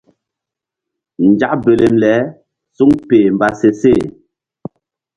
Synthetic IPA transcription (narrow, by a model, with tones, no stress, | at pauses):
n̩˨d͡ʒa˦ʔbe˨le˨mlɛ˨˦ | su˦ŋpeː˨m˨ba˨se˨se˦˨